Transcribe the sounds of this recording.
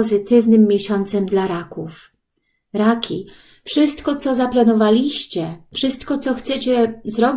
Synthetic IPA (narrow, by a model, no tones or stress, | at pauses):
ɔzɘt̪ɘvnɘmːjɛɕɔnt̪sɛmd̪laɾakuf | ɾakʲi | fʂɘst̪kɔt̪sɔzaplanɔvalʲiɕt͡ɕɛfʂɘst̪kɔt̪sɔxt̪sɛt͡ɕɛzɾɔbʲ